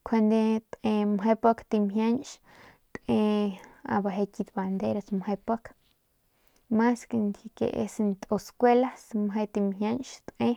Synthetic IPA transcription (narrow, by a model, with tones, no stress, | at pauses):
kʰe˧nd̪e˧t̪ẽ˧mɦe˧po˦kt̪i˧mɦja˦ɲʃ | t̪ẽ˧a̰˧ba˧ɦe˧ki˧t̪ba˨nd̪e˦ɾa˧smhe˧po˦k | ma˦ske˧nd̪ʲje˧kḛ˨ʔḛ˧snt̪ʼo˧skʷwe˦la˦smɦe˧t̪i˧mɦja˦nʃt̪ʔẽ˦